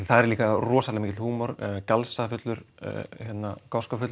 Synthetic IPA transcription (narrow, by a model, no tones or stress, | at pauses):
θaðɛɾliːkarɔːsalɛmicɪt̪huːmɔɾcalsafʏt̪lʏɾ̥̰çɛt̪nakɔskafʏt̪l